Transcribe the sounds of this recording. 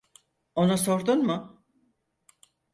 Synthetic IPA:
o̞naso̞ɾd̪unmʊ

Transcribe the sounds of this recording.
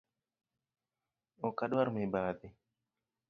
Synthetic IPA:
ɔkaɗwaɾmibaːt̪i

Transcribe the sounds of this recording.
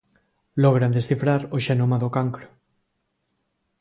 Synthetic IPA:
lɔɣɾand̪esθifɾaɾoʃenomaðokaŋkɾo̥

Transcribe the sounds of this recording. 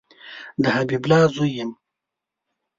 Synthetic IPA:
d̪əhabiblɑːzujem

